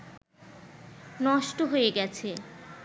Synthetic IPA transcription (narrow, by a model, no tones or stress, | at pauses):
nɔʃʈoɦojeɡɛt͡ɕʰe